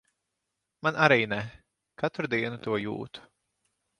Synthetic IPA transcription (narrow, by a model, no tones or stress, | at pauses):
manʔaɾiːnɛ | kat̪uɾd̪iɛnut̪uɔjṵːt̪u̥